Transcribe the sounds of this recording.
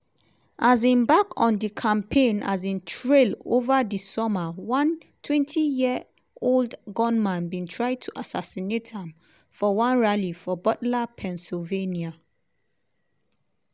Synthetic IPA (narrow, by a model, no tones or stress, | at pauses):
ʔazĩnbakɔ̃ndikʰãmpʰẽna̰zĩntʰɹelovadisɔmawãntʰwɛ̃ntʰijiə | oldɡɔ̃nmãnbĩntʰɹaɪd̚tʰuʔasa̰sinetãm | fɔwãnɹalifɔbɔtlapʰɛ̃nsilvenia